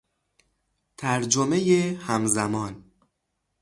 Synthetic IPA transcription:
t̪ʰæɾd͡ʒomejehæmzæmɒːn

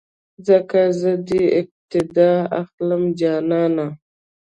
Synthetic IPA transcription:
zəkazəd̪iɪp̚t̪ɪd̪ɑːaxləmd͡ʒɑːnɑːna

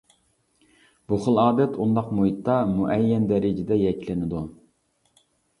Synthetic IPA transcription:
b̥uχəlˠɑːd̪ɛt̪ʰund̪ɑqmuɦit̪ːɑmuʔɛjːɛnd̪ɛɾɪd͡ʒɪd̪ɛjɛkʲlɪnɪd̪u

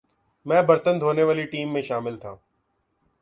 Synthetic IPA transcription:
mɛ̃ːbəɾt̪ənd̪ʱoːneʋaːliʈiːmːẽʃaːmɪlt̪ʰãː

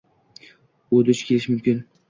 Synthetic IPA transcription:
od̪ʊt͡ʃkʲe̞lɪʃmʊmkʲɪn

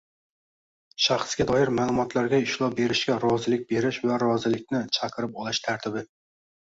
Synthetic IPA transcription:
ʃɑχsɡʲad̪ɒjɪɾmaːlˠʊmɒt̪ʰlaɾɡʲaɪʃlˠɒp̚be̞ɾɪʃkʲaɾɒzɪlɪk̚ʲbe̞ɾɪʃvaɾɒzɪlɪk̚ʲnɪt͡ʃʰɑqʰɨɾɪpɒlˠɪʃt̪ʰaɾt̪ʰɪbɪ

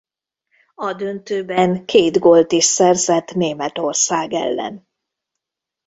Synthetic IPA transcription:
ɒd̪ønt̪øːbɛŋkʰeːd̪ɡo̞lt̪iʃsɛrzɛt̪neːmɛt̪o̞rsaːɡɛ̰lːɛ̰n

